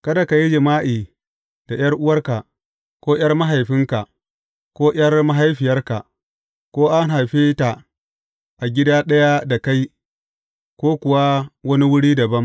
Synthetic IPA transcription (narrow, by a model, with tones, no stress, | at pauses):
kɐ˦da˨ka˨ji˦d͡ʒɪ˨maː˦ʔiː˨ | d̥a˨j̰ɐ˦rʔʊ˦wɐ˦rka˨ʔ | kʷoː˦j̰ɐ˦rma˦ɦa˨jɸɪ˦ŋka˨ | kʷoː˦j̰ɐ˦rma˦ɦa˦jɸɪ˨jɐ˦rka˨ | kʷoː˦ʔa˦nɦa˨jɸeː˦ta˨ | ʔa˨ɡʲɪ˦daː˦ɗɐ˦ja˦da˨ka˦j | kʷoː˦kʷʊ˨wa˦wɐ˦ni˦wʊ˦ɽiː˦dɐ˨bɐ˦m